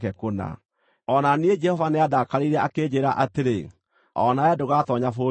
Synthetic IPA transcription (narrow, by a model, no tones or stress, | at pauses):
kɛkona̰ | ɔnanied͡ʒɛhɔvaneaðakaɾiɾɛʔakeːd͡ʑeɾaʔateɾe | ɔ̰naɛdoɣatɔɲafo